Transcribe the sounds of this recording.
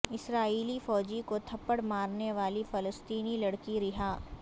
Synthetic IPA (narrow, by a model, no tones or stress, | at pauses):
ɪsɾaːiːlifɔːd͡ʒikot̪ʰɐpːəɽmaːɾneʋaːlifɐləst̪iːnilɐɽkiɾɪɦaː